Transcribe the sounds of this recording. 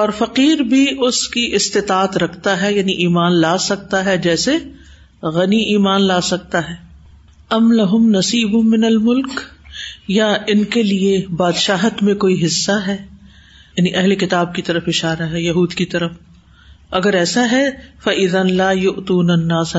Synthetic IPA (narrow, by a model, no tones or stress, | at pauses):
ɔːɾfɐqiːɾbʱiʊskiʔɪst̪ɪt̪aːt̪ɾɐkʰt̪aɦɛjaːniʔiːmaːnlaːsɐk̚t̪aɦɛd͡ʒɛːse | ɣɐniʔiːmaːnlaːsɐk̚t̪aɦɛː | ɐmlɐɦʊmnɐsiːbʊmɪnɐlmʊlk | jaɪnkeliebaːd̪ʃaːɦt̪mẽkoːiɦɪsːaɦɛː | jaːniʔɐɦlekɪt̪aːb̚kit̪ɐɾəfɪʃaːɾaɦɛjɐɦuːd̪kit̪ɐɾəf | ɐɡəɾɛːsaɦɛfɐʔɪðɐnlaːjʊʔt̪uːnɐnːaːs